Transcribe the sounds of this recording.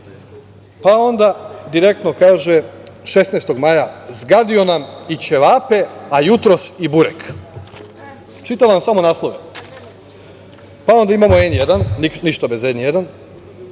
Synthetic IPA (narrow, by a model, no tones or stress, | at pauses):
pao̞nd̪ad̪iɾe̞kt̪no̞kaːʒeʃe̞snest̪o̞ɡmaːjazɡad̪io̞namit͡ɕeʋaːpe̞ajut̪ɾo̞sibuɾek | t͡ʃit̪alamsamo̞naːslˠo̞ʋe | pao̞nd̪aimamo̞enjed̪anːiniʃt̪abezenje̞d̪an